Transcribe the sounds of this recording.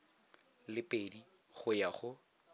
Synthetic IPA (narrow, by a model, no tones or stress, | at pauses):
lɪpʼedi | χʊjaχʊ